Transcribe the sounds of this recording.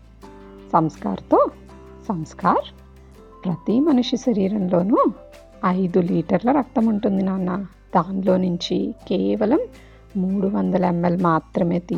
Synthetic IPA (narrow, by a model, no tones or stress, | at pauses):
sɐmska̰ːɾɐt̪o̞ː | sɐmskaːɾ | pɾɐt̪imɐnuʂiʃɐɾiːɾɐnlo̞ːnu | ɐjd̪uliːʈɐɾlɐɾɐk̚t̪ɐmuɳʈund̪inaːnːɐ | d̪aːnilo̞ːnuɲt͡ʃikɛːʋɐlɐmː | uːɽuʋɐnd̪ɐlɐɛmːelmaːt̪ɾɐme̞ːt̪i